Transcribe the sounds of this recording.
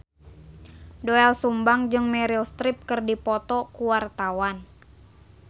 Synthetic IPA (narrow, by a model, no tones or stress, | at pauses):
doɛlsumbaŋd͡ʒɨŋmɛɾilst̪ɾip̚kɨrdipɔt̪ɔkuwart̪awan